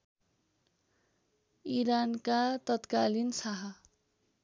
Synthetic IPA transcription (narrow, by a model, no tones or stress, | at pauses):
iɾankat̪ʌt̪kalinsaɦʌ